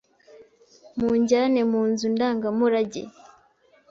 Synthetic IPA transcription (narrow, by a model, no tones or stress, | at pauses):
muɲɟaɾanemuːnzundaːŋɡamuɾaɟḛ